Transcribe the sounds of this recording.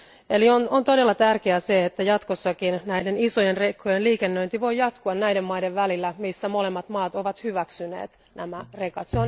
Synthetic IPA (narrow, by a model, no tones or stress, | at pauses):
elionont̪o̞de̞lːɑt̪ærkeæseet̪ːæjɑt̪kosːɑkinnæjde̞niso̞jenrekːojenliːkenːøint̪iʋo̞jːɑt̪kuɑnnæjdemːɑjdeʋʋælilːæmisːæmo̞le̞mːɑt̪mɑːt̪o̞ʋɑt̪hyʋæksynḛːt̪ | næmære̞kɑt̪seon